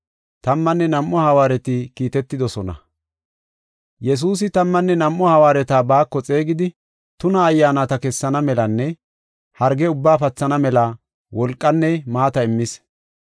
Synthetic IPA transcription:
t̪ɐmːɐnːɛnɐmʔːɔhɐwaːɾɛt̪ɪkiːt̪ɛt̪ːɪd̪ɔsɔnɐ̰ | jɛs̬uːs̬ɪt̪ɐmːɐnːɛnɐmʔːɔhɐwaːɾɛt̪aːbaːkːɔt͡sʼeːɡɪd̪ɪ | t̪ʊnɐːjːaːnɐt̪ɐkɛsːɐnɐmɛlɐnːɛ | hɐɾɡɛʊbːaːpɐt͡sːɐnɐmɛlɐ | wɔlkʼːɐnːɛmaːt̪ɐɪmːɪs

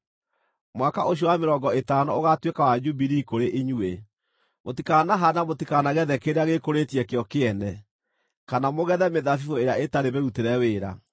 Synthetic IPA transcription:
mwakaʔoɕ̬jɔwameɾɔŋɡɔetaːnɔoɣatwekawad͡ʒubiɾikoɾeʔiɲue | motikanaɦanamotikanaɣɛðɛkeɾeaɣekoɾetiɛkeɔkeɛnɛ | kanamoɣɛðɛmeðafifoeɾjaetaɾeβeuteɾɛweːɾa

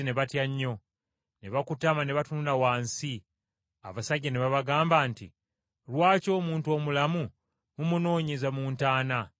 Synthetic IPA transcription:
neβatjaɲːo̞ | ne̞βakutamane̞βatununawaːnsi | a̰βasaɟːaneβaβaɡaːmbaːntḭ | ɾwaːco̞ːmuːntuo̞ːmulamu | umuno̞ːɲezamuːntaːna

